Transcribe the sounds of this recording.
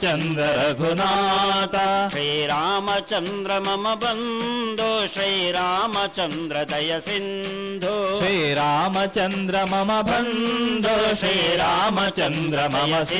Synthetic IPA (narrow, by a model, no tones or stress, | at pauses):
t͡ʃɐnd̪ɾɐɾɐɡʱunaːt̪ɐʃɾiːɾaːmɐt͡ʃɐnd̪ɾɐmɐmɐbɐnd̪ʱoʃɾiːɾaːmɐt͡ʃɐnd̪ɾɐd̪ɐjɐsin | d̪ʱuʃɾiːɾaːmɐt͡ʃɐnd̪ɾɐmɐmɐbʱɐnd̪ʱoʃɾiːɾaːmɐt͡ʃɐnd̪ɾɐmɐmɐs